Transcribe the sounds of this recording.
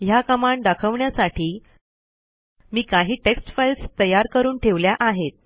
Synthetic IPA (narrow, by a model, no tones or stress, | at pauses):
jakəmaɳd̪akʰəʋɳjasaʈʰiː | miːkaɦiːʈeksʈfajlst̪əjaɾkəɾuːnʈʰeʋljaʔaɦet̪̚